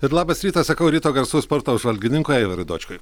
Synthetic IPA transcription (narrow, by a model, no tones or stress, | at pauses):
ɪɾlˠɑːbɐsɾʲiːt̪ɐssɐkɐʊɾʲiːt̪oːɡɐɾsuːspɔɾt̪oːʊʒʋɐlʲɡʲɪnʲɪŋkoːjɛɪʋɐɾʊd̪o̰ːt͡ʃʲkʊj